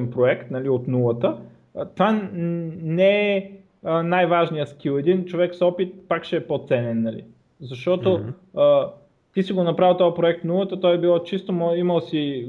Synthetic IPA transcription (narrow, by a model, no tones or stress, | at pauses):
npɾoɛkt̪nɐliot̪nulˠət̪ə | t̪va | nɛɛ | ənajvaʒnijəsk̟ilˠɛd̪int͡ʃovɛksɔpit̪̚pakʃɛːpot̪sɛnɛnːɐlḭ | zɐʃt̪ɔt̪oə | t̪isiɡonɐpɾavʲilˠt̪ɔjpɾoɛk̚t̪nulˠət̪ət̪ɔjɛbilˠɔt͡ʃist̪omɔiməlˠsi